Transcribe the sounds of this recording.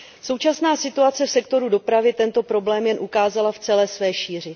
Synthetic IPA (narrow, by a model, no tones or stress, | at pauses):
so̞wt͡ʃasnaːsɪt̪uat͡sɛfsɛkt̪o̞ɾudo̞pɾavjɛt̪ɛnt̪o̞pɾo̞blɛːmjɛnʔukaːzalaft͡sɛlɛːsvɛːʃiːr̝ɪ